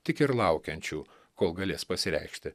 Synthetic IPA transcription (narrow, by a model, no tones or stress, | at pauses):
t̪ʲɪkɪɾlˠɑʊkʲɛnʲt͡ʃʲuː | koːlˠɡɐlʲeːspɐsʲɪɾʲɛ̰ɪkʃʲt̪ʲɪ